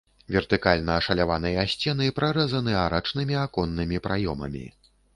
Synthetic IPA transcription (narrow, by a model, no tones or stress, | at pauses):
vʲɛrt̪ɨkalʲnɐːʂɐlʲavanɐjɐasʲt͡sʲɛnɨpɾaɾɛzɐnɨaɾat͡ʂnɨmʲiakɔnːɨmʲipɾajɔmɐ̰mʲḭ